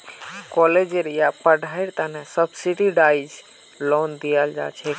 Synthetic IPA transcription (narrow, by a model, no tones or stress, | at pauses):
kɔled͡ʒeɾjapəɖʱaiɾt̪anɛsəbsiɖiɖajd͡ʒ | lɔnd̪ijəld͡ʒa̰t͡ʃʰɛ